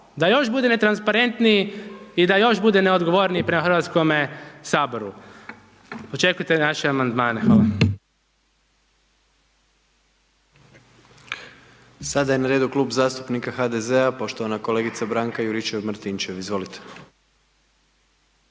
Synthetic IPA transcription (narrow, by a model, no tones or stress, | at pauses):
d̪ajo̞ʃbud̪e̞ne̞t̪ɾanspaɾe̞nt̪nijiid̪ajo̞ʃbud̪e̞neo̞d̪ɡo̞ʋo̞ɾniipɾe̞maxr̩ʋat̪sko̞mesaːbo̞ɾu | ot͡ʃe̞kujt̪e̞naʃeamand̪maːnexʋaːlˠa | sad̪ajenaɾe̞ːd̪uklˠuːbzaːst̪u̥pnikaxad̪ezeapo̞ʃt̪oʋanako̞le̞ɡit̪sabɾaŋkajuɾit͡ʃeʋmɾt̪int͡ʃeʋizʋo̞lit̪e̥